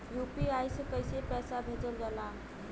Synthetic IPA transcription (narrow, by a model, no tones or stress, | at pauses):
jupiajsəkəjsepɛsabʱed͡ʒəld͡ʒəla